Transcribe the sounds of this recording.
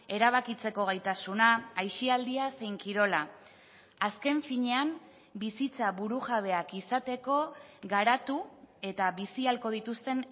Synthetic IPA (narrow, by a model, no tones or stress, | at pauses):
e̞ɾaβ̞akit͡se̞ko̞ɣ̞ajt̪asunaːjʃiald̪iase̞jŋkiɾo̞la | aske̞ɱfiɲe̞am | bisit͡saβuɾuʝaβ̞e̞akisat̪e̞ko̞ɣaɾat̪ue̞t̪aβisialko̞ð̞it̪ust̪e̞n